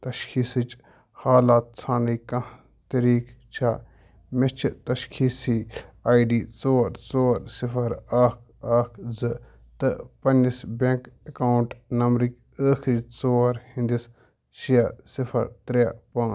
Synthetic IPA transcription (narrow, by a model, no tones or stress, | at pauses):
t̪ɐʃkʰiːsɨt͡ʃ | haːlaːt̪̚t͡sʰaːnɐjkɐ̃ | t̪ɐɾiːkt͡ʃʰaː | met͡ʃʰit̪ɐʃkʰiːsiːaːjɖiːt͡soːɾt͡soːɾsifʰɐɾaːkʰaːkʰzɨ | t̪ɨpɐnːisbʲeŋkekawuɳʈnɐmɾikʲ | əːxʰɾiːt͡soːɾhĩnd̪is | ʃijasifʰɐ̰ɾt̪ɾapɐ̃ː